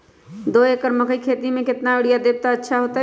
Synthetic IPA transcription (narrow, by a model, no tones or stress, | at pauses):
d̪oekəɾməkʰəjkʰet̪imẽket̪naeɽijad̪eb̚t̪ɔətːʃʰaɦot̪ə